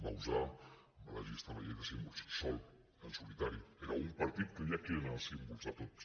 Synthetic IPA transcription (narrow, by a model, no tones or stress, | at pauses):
bauza | mala̰ʒist̪amajek̪asimbulssɔl | ənsulit̪aɾieɾaumpaɾt̪it̪kəmiakinasimbulsat̪ot̪